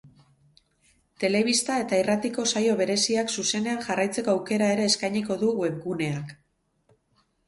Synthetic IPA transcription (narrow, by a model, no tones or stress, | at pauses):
t̪e̞le̞β̞ist̪ae̞t̪airat̪iko̞sajo̞β̞e̞ɾe̞siaksuse̞ne̞anʝarajt͡se̞ko̞awke̞ɾae̞ɾe̞ːskajɲiko̞ðueβɡune̞ak